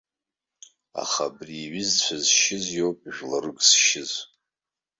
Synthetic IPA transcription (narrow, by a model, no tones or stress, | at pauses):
a̰χabriːɥɪzt͡ɕʷʰazʃɪzjowpʼʒᶣlaɾɨɡʼsʃɪz